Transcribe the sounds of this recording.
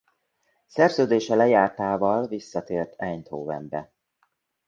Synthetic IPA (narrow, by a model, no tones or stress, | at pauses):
sɛrzøːd̪eːʃɛlɛjaːrt̪aːvɒlvisːɒt̪eːrt̪ʰɛɲt̪hoːvɛ̰mbɛ